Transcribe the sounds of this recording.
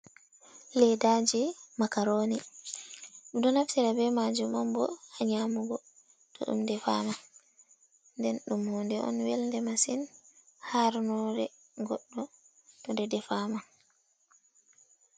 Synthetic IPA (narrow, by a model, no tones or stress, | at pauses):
lɛdad͡ʒimakaɾoni | ʔuɗɔnaftiɾabɛmad͡ʒumɔmbɔaɲaːmuɡɔ | tʰɔ̰ɗṵmdɛfama | ndɛnɗumːundɛʔɔ̰nwɛlndɛmasinhaɾnɔɾɛ | ɡɔɗːɔ | tɔdɛdɛfaːma